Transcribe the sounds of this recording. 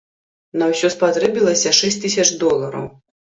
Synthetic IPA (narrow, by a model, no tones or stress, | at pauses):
nɐwsʲɔspat̪ɾɛbʲilˠɐsʲɐʂɛsʲt̪ɨsʲɐt͡ʂd̪ɔlˠɐɾɐ̰w